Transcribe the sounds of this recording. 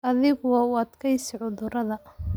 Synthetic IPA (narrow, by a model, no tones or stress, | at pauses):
ʔɐðɪɣʊːʊɐd̪kʰɐjsɪʕʊðʊɾɐðɐ